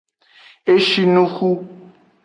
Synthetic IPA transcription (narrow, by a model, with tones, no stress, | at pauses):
e˦ʃi˦nu˦xu˦